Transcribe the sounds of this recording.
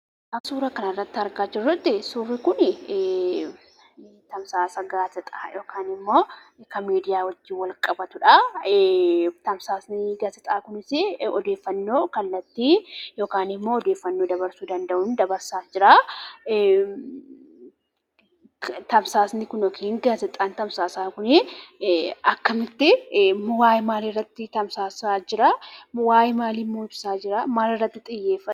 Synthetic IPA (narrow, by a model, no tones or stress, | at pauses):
ʔɐsuːɾɐkɐnɐrːɐt̪ːɪɐɾɡaːd͡ʒɪrːʊt̪ːɪsuːrːɪkʊn | t̪ɐmsaːsɐɡaːtɪt̪ʼa̰ːjo̞ːkaːnɪmːo̞ː | kɐmiːd̪ɪjaːwɐd͡ʒːɪːwɐlkʼɐbɐt̪ʊᶑɐ | t̪ɐmsaːsnɪɡaːtɪt̪ʼaːkʊnɪsɪɔd̪eːfːɐnːo̞ːkɐlːɐt̪ːiːjo̞ːkaːnɪmːo̞ːɔd̪e̞ːfːɐnːo̞ːd̪ɐbɐɾsuːd̪ɐnd̪ɐʔʊnd̪ɐbɐɾsaːd͡ʒɪɾaː | t̪ɐmsaːsnɪkʊnɔkʰeːŋɡaːzɪt̪ʼaːnt̪ɐmsaːsaːkʊnɪ | ɐkːɐmɪt̪ːɪmʊwaːjmaːlɪrːɐt̪ːɪt̪ɐmsaːsaːd͡ʒɪɾaːmʊwaːjmaːlɪmːoːɪbsaːd͡ʒɪɾamaːlɪrːɐt̪ːɪt̪ʼɪjːeːfɐ